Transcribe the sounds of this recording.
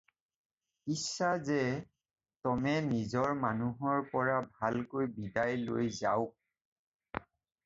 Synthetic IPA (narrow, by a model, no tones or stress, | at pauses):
isːazɛ | tɔmɛnizɔɹmanuɦɔɹpɔɹabʱalkojbidajlo̰jzaʊ